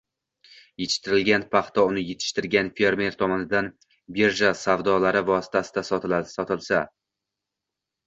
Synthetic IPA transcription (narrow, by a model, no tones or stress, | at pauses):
jet̪ʰɪ̥ʃt̪ɪɾɪlɡʲanpʰɑχt̪ʰɒʊnɪjet̪ʰɪ̥ʃt̪ɪɾɡʲanfeɾmʲe̞ɾt̪ʰɒmɒnɪd̪an | be̞ɾʒasavd̪ɒlaɾɪvɒsɪ̥t̪ʰasɪd̪asɒsɒt̪ʰɪlˠsa